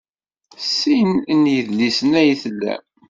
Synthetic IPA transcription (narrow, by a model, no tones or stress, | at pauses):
sːinnjəðlisənæjθəlːæ̰